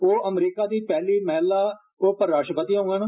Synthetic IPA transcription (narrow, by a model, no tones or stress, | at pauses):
oːʔəmɾiːkaːd̪iːpɛːliːmɛːlːaː | oːpəɾːaːʃʈəpət̪iːaɦʊ̃ɡənː